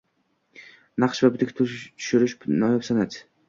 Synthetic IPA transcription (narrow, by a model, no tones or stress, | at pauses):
naqʃvabʊt̪ɪk̪ʲʰt̪ʰʊ̥ʃʊɾɪʃnɒjapsanad̪